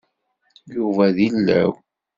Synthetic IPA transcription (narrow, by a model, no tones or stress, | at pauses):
juvæðilːæ̰w